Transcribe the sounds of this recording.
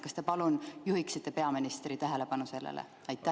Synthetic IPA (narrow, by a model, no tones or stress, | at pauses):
kɑst̪epɑlunjuɦiksit̪ːe̞pe̞ɑminist̪ɾit̪æɦele̞pɑnuse̞lːḛlʔḛ | ɑjt̪ːˑæ